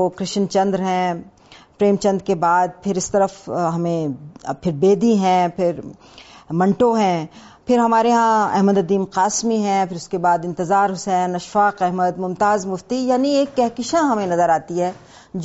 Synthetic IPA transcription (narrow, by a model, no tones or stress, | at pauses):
okɾɪʃənt͡ʃɐ̃nd̪ɾɦɛ̃ː | pɾeːmt͡ʃɐ̃nd̪ɾkebaːd̪̚pʰɪɾɪst̪ɐɾəfɦɐmẽpʰɪɾbeːd̪iɦɛ̃ːpʰɪɾ | mɐ̃ɳʈoɦɛ̃ː | pʰɪɾɦɐmaːɾeɦãɛ̰ɦməd̪ɐd̪iːmqaːsmiɦɛ̃pʰɪɾʊskebaːd̪ɪ̃nt̪ɪzaːɾɦʊsɛːnɐʃfaːqɛɦməd̪mʊmt̪aːzmʊft̪ijaːnieːkːɛɦkɪʃãɦɐmẽnɐzəɾaːt̪iɦɛː | d͡ʒ